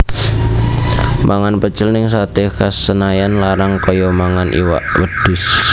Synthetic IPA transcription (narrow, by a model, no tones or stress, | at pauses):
mʔaŋanpət͡ʃɪlnɪŋsat̪ekasənajanlaɾaŋkɔjɔmaŋanʔḭwa̰ʔwəd̪̥ʊs